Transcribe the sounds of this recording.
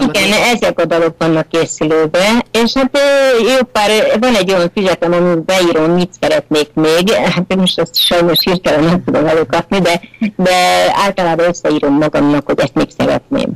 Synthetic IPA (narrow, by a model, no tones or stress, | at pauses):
iɡɛnɛzɛkod̪ɒlo̞kvɒnːɒkːeːsyløːbɛeːʃhat̪øjoːpːaːrvɒnɛɟːojɒɱfizɛt̪ɛmɒmibɛiːɾo̞mːit̪sɛɾɛt̪neːkmeːɡhat̪ːmoʃt̪ɛst̪ʃɒjno̞ʃhirt̪ɛlɛnːɛmt̪ud̪o̞mɛløːkɒpnid̪ɛd̪ɛa̰ːlt̪ɒlaːbɒøsːɛiːɾo̞mːɒɡɒmnɒkho̞ɟɛst̪meːksɛɾɛ̰t̪̚nḛːm